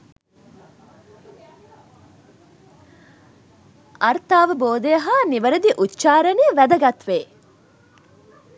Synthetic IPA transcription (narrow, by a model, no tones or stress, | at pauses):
ʔɐɾt̪aːʋəboːd̪ejɐɦaːniʋɐɾɐd̪iʔutːʃaːɾɐniːʋæd̪ɐɡɐt̪ʋeː